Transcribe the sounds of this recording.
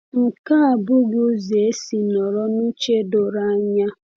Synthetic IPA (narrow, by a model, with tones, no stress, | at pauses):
ŋ̩˨ka˦a˨bʊ˦ɡʊ˦ze˨e˦si˨nɔ˨ɾɔ˦nu˦t͡ʃe˦do˨ɾa˦ɲa˦